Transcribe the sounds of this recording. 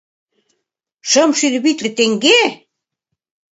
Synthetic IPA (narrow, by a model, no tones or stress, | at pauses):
ʃə̆mʃylβit̪lɘ̆t̪eŋɡe